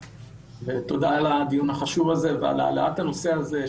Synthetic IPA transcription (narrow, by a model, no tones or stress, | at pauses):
vet̪o̞d̪aalad̪ijunhaχaʃuvazevea̰lea̰leat̪hano̞se̞aze